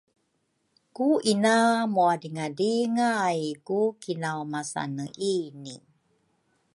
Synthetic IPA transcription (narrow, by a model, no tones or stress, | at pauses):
kuʔinamuadiŋadiŋajkukinawmasa̰nəʔini